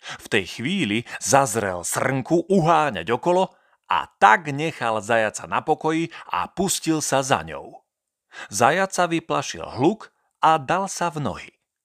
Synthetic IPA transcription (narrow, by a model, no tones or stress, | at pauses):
ft̪ɛjxʋiːlizazɾɛ̰lsr̩ŋkuʔuɦaːɲa̰ɟɔkɔlɔ | a̰t̪aɡɲɛxalzajat͡sanapɔkɔjiʔa̰puscilsaza̰ɲɔ̰ʊ | zajat͡saʋiplaʃḭlɦluk | ad̪alsavnɔ̰ɦḭ